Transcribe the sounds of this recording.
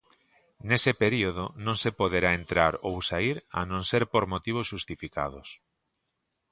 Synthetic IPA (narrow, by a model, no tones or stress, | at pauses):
nesepeɾioðonõŋsepoð̞eɾaent̪ɾaɾowsaiɾa̰nõŋseɾpoɾmot̪iβ̞osʃust̪ifika̰ð̞ʊs